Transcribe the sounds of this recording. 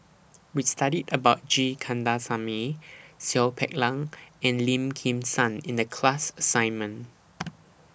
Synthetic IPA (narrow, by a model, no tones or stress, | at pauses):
wistaɾidəbaʊt̚d͡ʒikʰãndasamisɛlpʰɛ̰k̚lãŋɛ̃nlĩmkʰĩmsãnĩndəkʰlasəsãɪ̃nmə̃n